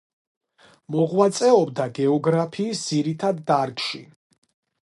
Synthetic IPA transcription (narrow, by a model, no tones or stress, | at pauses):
mɔʁwat̪sʼɛɔbd̪aɡɛɔɡɾapʰiːsd̪z̥iɾit̪ʰad̪ːaɾkʼʃḭ